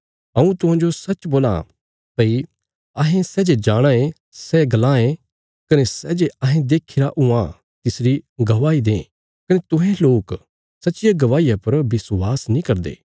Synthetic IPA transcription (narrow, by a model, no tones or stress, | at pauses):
ɐũt̪ʊɦãːd͡ʒosɐt͡ʃboːla̰ | pɐi | ɐɦẽsɛːd͡ʒed͡ʒaːɽ̃aẽ | sɛɡɐlãːẽ | kɐnesɛːd͡ʒeɐɦẽd̪eːkʰiɾaʔʊ̃ã | t̪ɪsɾiɡɐʋaːid̪ḛ̃ː | kɐnet̪ʊ̃ɦẽloːk | sɐtːt͡ʃɪjaɡɐʋaːijapɐɾbɪswaːsnĩkɐɾd̪ḛː